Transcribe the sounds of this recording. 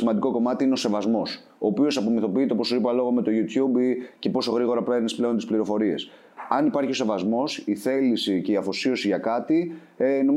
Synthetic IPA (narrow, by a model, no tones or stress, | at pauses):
imɐnd̪iko̞ko̞mɐt̪iinese̞vɐzmo̞s | oːpio̞sɐpomiθo̞piit̪epo̞soipɐlo̞ɣome̞t̪o̞ʝut̪ʰçubice̞po̞so̞ɣɾiɣo̞ɾɐpe̞ɾnisple̞ont̪ispliɾo̞fo̞ɾie̞̰s | ɐnipɐɾçio̞se̞vɐzmo̞siθe̞lisice̞iɐfosio̞siʝɐkɐt̪i | eno̞